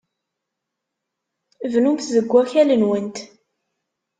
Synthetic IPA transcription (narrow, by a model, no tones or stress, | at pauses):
vnumθzəɡʷːæçælənwənt̪